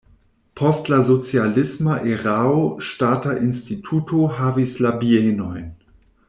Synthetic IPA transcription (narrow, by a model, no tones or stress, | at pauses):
pʰɔstlazot͡sjalɪsmaʔeʁaoʃtaːtaʔɪnstitʰuːtʰoɦaːvislabienɔɪn